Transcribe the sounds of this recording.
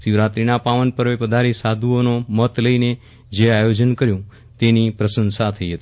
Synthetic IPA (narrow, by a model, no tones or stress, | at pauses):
siʋɾat̪ɾinapaʋənpəɾʋepəd̪ʱaɾesad̪ʱuonomət̪ləine | d͡ʒeajod͡ʒənkəɾjũ | t̪enipɾəsənsat̪ʰəiɦət̪i